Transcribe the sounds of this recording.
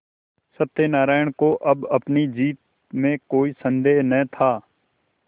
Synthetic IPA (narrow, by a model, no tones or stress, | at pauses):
sət̪ːeːnaːɾaːjəɳ̃koʔɐbɐpnid͡ʒiːt̪̚ | mẽkoːisə̃nd̪eːɦnɛt̪ʰaː